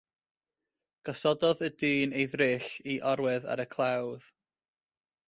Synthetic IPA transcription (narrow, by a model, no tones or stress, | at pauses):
ɡ̥ɔsɔdɔðədɨːnejðrɪɬiʔɔɾwɛða̰ɾəkʰlˠawð̥